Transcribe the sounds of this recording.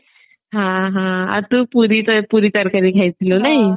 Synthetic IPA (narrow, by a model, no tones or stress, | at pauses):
ɦãɦãa̰ɾt̪uːpuɾit̪əpuɾiːt̪əɾkaɾiːkʰajt̪ʰilonaɦj